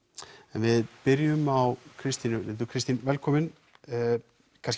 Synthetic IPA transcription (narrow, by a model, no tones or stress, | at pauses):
ɛnvɪðpɪɾjʏmawkʰɾɪst̪inʏlɛt̪ʏkʰɾɪst̪invɛlkʰɔːmɪn | kʰans